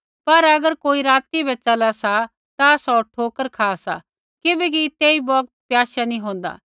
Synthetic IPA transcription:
pɐɾɐɡəɾkoːiɾaːt̪ibʱɛt͡ʃɐlasa | t̪asɔʈʰoːkəɾkʰaːsa | kɪbɛk̬it̪eːibɔːk̚t̪̚pjaːʃanĩɦõːnd̪a̰ː

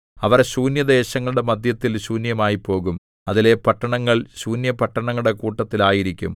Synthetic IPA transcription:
ɐʋɐrɕuːnjɐd̪e̞ːɕɐŋːɐɭuɽe̞mɐd̪ʱjɐt̪ːilɕuːnjɐmaːjipo̞ːɣum | ɐðile̞pɐʈːɐɳɐŋːɐɭɕuːnjɐpɐʈːɐɳɐŋːuɽe̞kuːʈːɐt̪ːilaːjiɾikʲːṵm

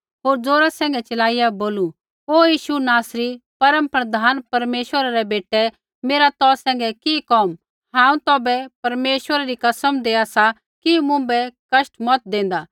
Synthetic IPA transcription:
ɦoːɾd͡zoːɾasɛ̃ːŋɡɛt͡ʃɐlaːɪjaboːlu | oːjiːʃunaːsɾipɐɾə̃mpɾɐd̪ʱaːnpɐɾmeːʃwəɾaɾɛbeːʈɛ | meːɾat̪ɔːsɛ̃ːŋɡɛkikɔːm | ɦãːũt̪ɔːbɛpɐɾmeːʃwəɾaɾikɐsəmd̪eːasa | kimʊ̃bɛkɐʃʈmɔt̪̚d̪ẽːn̆d̪aː

